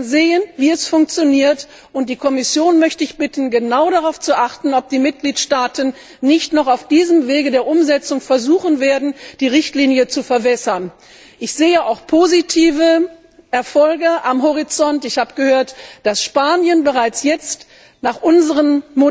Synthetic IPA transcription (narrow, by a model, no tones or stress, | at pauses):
zeːənviːɛsfʊŋk̚t͡sjoniːɐt | ʔʊnt̚d̥iːkʰɔmɪsjoːnmœçtəɪçb̥ɪtn̩ɡənaʊɾaʁaʊft͡suʔaχtn̩ɔp̚d̥iːmɪt̚ɡ̥liːtʃtaːtən̩ː | ɪçtnɔχaʊfd̥iːzəmveːɡədeːɐʔʊmzɛt͡sʊŋfɛɐzuːχənveːɐdn̩d̥iːʁɪçtliːnjət͡sufɛɐbɛsɐn | ʔɪçz̥eːəaʊxpʰozitʰiːvə | ʔɛɐfɔlɡəʔamɦɔʁ̞it͡sɔntɪçhaːbəɡəhøːɐtd̥asʃpaːnjənbəʁaɪt͡sjɛt͡st | naːχʔʊnzəʁənmo